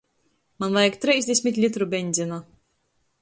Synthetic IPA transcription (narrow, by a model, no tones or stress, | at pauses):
manvajakt̪ɾʲɛjzʲd̪ʲesʲmʲit̪ʲlʲit̪ɾubʲɛnʲd̪ʲzʲina